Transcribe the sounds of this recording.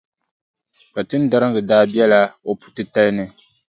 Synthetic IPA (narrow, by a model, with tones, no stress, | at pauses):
ka˨tɨ˦n˦da˦ɾɨ˦ŋɡɨ˨daː˦bi˦ɛ˦la˦o˦pu̥˨tɨ˦ta˦lnɨ˨